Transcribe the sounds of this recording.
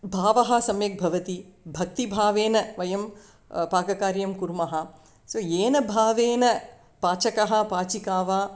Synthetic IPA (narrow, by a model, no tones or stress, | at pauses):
bʱaːʋɐɦɐ̆sɐmjeːk̚bʱɐʋɐt̪ibʱɐk̚t̪ibʱaːʋeːnɐʋɐjɐm | paːɡɐkaːɾjɐmkuɾmɐɦɐ̆ | soːeːnɐbʱaːʋeːnɐ | paːt͡ʃɐkɐɦɐ̆paːt͡ʃikaːʋaː